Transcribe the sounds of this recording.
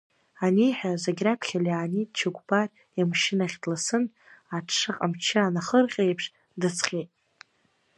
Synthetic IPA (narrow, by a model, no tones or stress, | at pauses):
anejħazaɡʲrakʰʷχʲaliaːnidt͡ʃʰaɡʷbar | amʃɪnaχʲdlasɨn | aɨqʼamt͡ʃʰaanaχərqʲʼejpʰʂ | dɨt͡sʰχʲejtʼ